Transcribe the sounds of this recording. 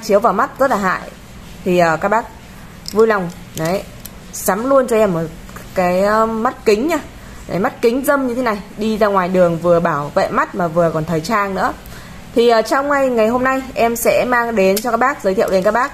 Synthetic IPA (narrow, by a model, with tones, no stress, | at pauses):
t͡ɕi˨˦əwvaː˨˩wma˦˥t̚zə˦˥t̚laː˨˩ɦa̰ː˧˨j | t̪ʰi˨˩ʔəː˨˩kaː˦˥k̚ɓaː˦˥k̚ | vu˧jla˨˩wŋ͡m | na˨˦j | sa˨˦mlu˧ənt͡ɕɔ˧ʔɛ˧mːo˨˩t̚ | kaː˨˦jma˦˥t̚kï˨˦ŋ̟ɲaː˧ | ɗḛ˧˩ma˦˥t̚kï˨˦ŋ̟zə˧mɲɨ˧t̪ʰe˨˦na˨˩jɗi˧zaː˧ŋwaː˨˩jɗɨ˨˩əŋvɨ˨˩əɓaː˧˩wvḛ˧˨ma˦˥t̚maː˨˩vɨ˨˩əkɔ˨˩nt̪ʰəː˨˩jt͡ɕaː˧ŋnɨ̰˧˥ə | t̪ʰi˨˩ʔəː˨˩t͡ɕɔ˧wŋ͡mŋa˧jŋa˨˩jɦo˧mna˧jʔɛ˧msɛ̰˧˥maː˧ŋɗe˨˦nt͡ɕɔ˧kaː˦˥k̚ɓaː˦˥k̚zəː˨˦t̪ḭ˧˨əwɗe˨˦nkaː˦˥k̚ɓaː˦˥k̚